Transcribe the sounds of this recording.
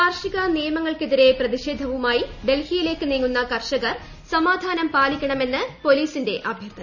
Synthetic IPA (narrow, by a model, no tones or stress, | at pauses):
ɐrʂiɣɐnijɐmɐŋːɐɭkiðiɾe̞prɐðiʂe̞ːd̪ʱɐʋumaːjiɖe̞lhijile̞ːkːɨniːŋːunːɐkɐrʂɐɣɐr | sɐmaːd̪ʱaːnɐmpaːlikʲːɐɳɐme̞nːɨpo̞liːsinde̞ʔɐbʱjɐrt̪ʰɐ